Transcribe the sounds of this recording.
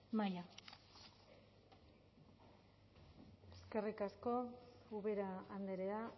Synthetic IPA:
maja | eske̞rikasko̞uβe̞ɾaːnd̪eɾea

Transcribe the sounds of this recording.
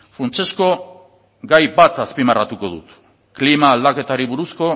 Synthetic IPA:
fɾant͡ʃe̞sko̞ | ɡajbat̪aspimarat̪uko̞ðṵt̪ | klimaːld̪ake̞t̪aɾiβuɾusko̞

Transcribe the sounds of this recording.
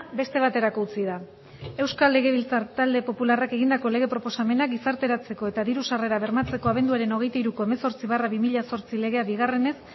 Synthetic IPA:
be̞st̪e̞β̞at̪e̞ɾako̞ut͡siða | e̞wskalːe̞ɣ̞e̞βilt͡sat̪ald̪e̞po̞pularake̞ɣind̪ako̞le̞ɣ̞e̞pɾo̞po̞same̞naɡisaɾt̪e̞ɾat͡se̞ko̞e̞t̪aðiɾusare̞ɾaβe̞ɾmat͡se̞ko̞aβ̞e̞nd̪uaɾe̞no̞ɣ̞e̞jt̪aiɾuko̞emeso̞ɾt͡siβ̞araβimiʎaso̞ɾt͡sile̞ɣ̞e̞aβiɣ̞are̞ne̞s

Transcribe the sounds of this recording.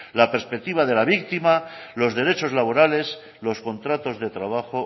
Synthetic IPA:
lapeɾspe̞k̚t̪iβaðe̞laβ̞ik̚t̪imalo̞zðe̞ɾe̞t͡ʃo̞zlaβo̞ɾale̞s | lo̞sko̞nt̪ɾat̪o̞zðe̞t̪ɾaβ̞axo̞

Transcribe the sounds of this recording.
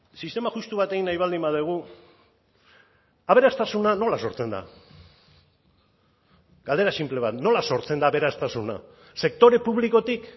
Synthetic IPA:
sist̪e̞maʝust̪uβat̪e̞ɣinajβald̪imbaðuɣ̞u | aβe̞ɾast̪asunano̞laso̞ɾt͡se̞nd̪a̰ | ɡ̥ald̪eɾasimple̞βat̪no̞laso̞ɾt͡se̞nd̪aβe̞ɾast̪asuna̰ | se̞kt̪o̞ɾe̞puβliko̞t̪ik

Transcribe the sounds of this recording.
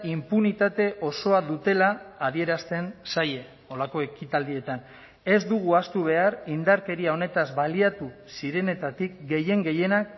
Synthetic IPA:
impunit̪at̪e̞ʔo̞so̞aðut̪e̞laːðie̞ɾast̪e̞nsaje̞ | o̞lako̞e̞kit̪ald̪ie̞t̪an | e̞zd̪uɣ̞uast̪uβ̞e̞aɾind̪aɾke̞ɾiao̞ne̞t̪azβaliat̪usiɾe̞ne̞t̪at̪ikɡe̞je̞ŋɡe̞je̞nak

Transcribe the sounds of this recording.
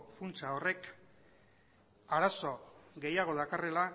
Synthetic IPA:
funt͡sao̞re̞k | aɾaso̞ɡe̞jaɣ̞o̞ðakare̞la

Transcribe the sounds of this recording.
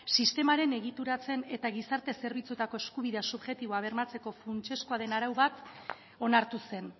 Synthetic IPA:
sist̪e̞maɾe̞ne̞ɣit̪uɾat͡se̞ne̞t̪aɣ̞isaɾt̪e̞se̞ɾβ̞it͡sut̪ako̞e̞skuβ̞iðe̞asuβʝe̞t̪iβo̞aβ̞e̞ɾmat͡se̞ko̞funt͡ʃe̞skoaðe̞naɾawβat̪ | o̞naɾt̪use̞n

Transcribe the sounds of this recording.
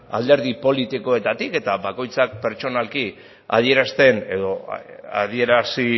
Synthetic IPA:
a̰ld̪e̞ɾðipo̞lit̪iko̞e̞t̪at̪ike̞t̪aβako̞jt͡sak̚pe̞ɾt͡ʃo̞nalki | a̰ðie̞ɾast̪e̞ne̞ðo̞a̰ðie̞ɾasi

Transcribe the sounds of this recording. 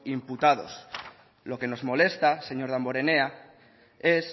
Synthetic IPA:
imput̪að̞o̞̰s | lo̞ke̞no̞zmo̞le̞st̪ase̞ɲo̞ɾð̞ambo̞ɾe̞nea | e̞s

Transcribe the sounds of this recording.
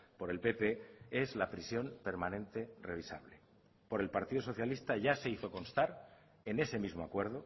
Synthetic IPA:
po̞ɾe̞lpe̞pe̞e̞zlapɾisjo̞mpe̞ɾmãnẽ̞nt̪e̞re̞β̞isaβle̞ | po̞ɾe̞lpaɾt̪iðo̞so̞θjalist̪aʝase̞iθo̞ko̞nst̪aɾ | e̞ne̞se̞mizmo̞akwe̞ɾðo̞

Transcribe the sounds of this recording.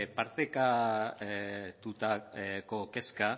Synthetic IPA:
paɾt̪eka | t̪ut̪ako̞ke̞ska

